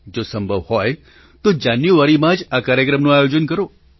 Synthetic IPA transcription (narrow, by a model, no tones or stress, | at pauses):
d͡ʒosəmbʱəʋhoj | t̪od͡ʒanjuaɾimãd͡ʒakaɾjəkɾəmnũajod͡ʒənkəɾo